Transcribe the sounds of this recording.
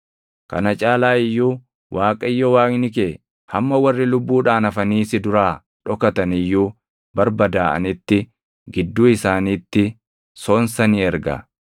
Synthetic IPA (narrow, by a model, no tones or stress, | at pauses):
kɐ̰nɐt͡ʃʼaːlaːɪjːuː | wʔaːkʼɐɪjːɔwaːknɪk̬eː | hɐmːɐwɐrːɪlʊbːuːᶑaːnɐfɐniːsɪd̪ʊɾaː | ᶑɔkɐt̪ɐnɪjːuː | bɐɾbɐd̪aːʔɐ̰nɪt̪ːɪ | ɡɪd̪ːuːɪsaːniːt̪ːɪ | so̞ːnsɐniːɛɾɡɐ̰